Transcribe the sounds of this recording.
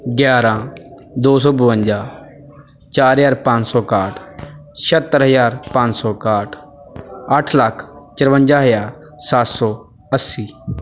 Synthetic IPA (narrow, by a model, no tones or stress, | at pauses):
ɡjaːɾãːd̪oːs̬ɔːbʊʋə̃nd͡ʒaː | t͡ʃaːɾɦjaːɾpãɲt͡ʃsɔːkaːʈʰʃət̪ːəɾɦəzaːɾpãɲd͡ʒsɔːkaːʈʰ | əʈʰləkʰt͡ʃəɾʋə̃nd͡ʒaːɦəjaːɾ | sat̪sɔː | əsːiː